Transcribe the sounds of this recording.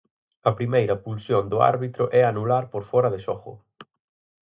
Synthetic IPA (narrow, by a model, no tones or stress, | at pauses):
ɐpɾimejɾɐpulsjond̪ʊa̰ɾβit̪ɾʊʔɛanulaɾpoɾfɔɾɐðɪsɔχʊ̰